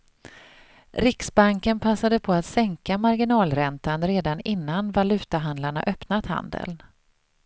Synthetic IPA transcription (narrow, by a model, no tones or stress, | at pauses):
ɾɪksbaŋkənpʰasːad̪əpʰɔat̪sɛŋkamaɾɡɪnɑːlɾɛnt̪anɾeːd̪anɪnːanvalʉ̟ːt̪aɦand̪laɳa̰ʔœpnat̪ha̰nd̪ə̰l